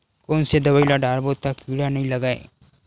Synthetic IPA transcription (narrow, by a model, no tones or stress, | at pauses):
koːnsed̪ɐbəilaɖaːɾbot̪ːakiːɽanɐɦĩlɐɡaːḛ